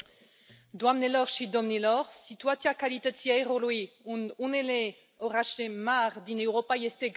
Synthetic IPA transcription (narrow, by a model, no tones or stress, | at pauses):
d̪wamnelɔʁʃid̪ɔmnelɔʁsit̪yat̪sjakalit̪ət̪jɛʁolwiununele | ɔʁaʃemaʁd̪inewʁɔpajest̪e